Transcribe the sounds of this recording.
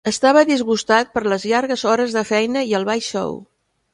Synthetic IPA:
əst̪aβəðizɣust̪at̪̚pəɾləzʎaɾɣəzɔɾəzðəfɛjnəiəlˠβajʃɔ̰w

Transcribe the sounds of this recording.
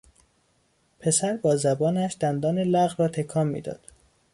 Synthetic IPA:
pʰe̞sæɾbɒːzæbɒːnæʃd̪̥ænd̪ɒːnelæɣɾɒːt̪ʰekʰɒːmːḭːd̪ɒ̰ːd̪̥

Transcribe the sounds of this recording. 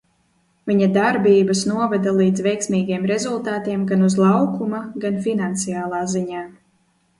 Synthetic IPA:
viɲad̪aɾbiːbɐsnuɔvad̪alˠiːd̪zvɛjksmiːɡijɛmɾɛzulˠt̪aːt̪iɛmɡanuzlˠɑwkumaɡanfinant̪sijaːlˠaːziɲaː

